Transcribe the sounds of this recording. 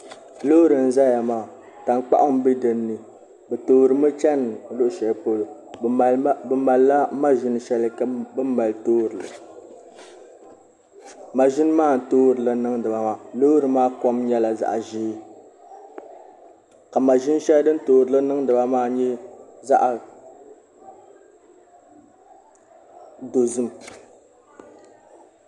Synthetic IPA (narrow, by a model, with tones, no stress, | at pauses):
loː˦ɾɨ˨n̩˨za˦ja˨maː˨ | ta˨n˦k͡pa̰˦ʔʊ˦m˦bi˦dɨ˨nːɨ˨ | bɛ˨toː˨ɾɨ˨mɨ˦t͡ʃɛ˦n˨˦lʊ˦ʔʊ˦ʃɛ˨po˦lo˨˦ | bɨ˦ma˨lla˦ma˦ʒɪ˦nɨ˦ʃɛ˦lɨ˦kbɨ˦ma˨ltoː˦ɾɨ˨lɨ˨ | ma˨ʒɪ˦n˦maː˦˨n̩˨toː˦ɾɨ˨lɨ˨nɨ˦ŋdɨ˨ba˨maː˦˨lo˦ɾɨ˨maː˦kɔ˦mɲɛ˦la˨za̰˨ʔa˨ʒi˦ | ka˨ma˨ʒɪ˦n˦ʃɛ˦ldɨ˦n̩˦toː˦ɾɨ˨lɨ˦nɨ˦ŋdɨ˨ba˦maː˦ɲɛ˦za̰˦ʔa˨ | do˨zɨ˦m˨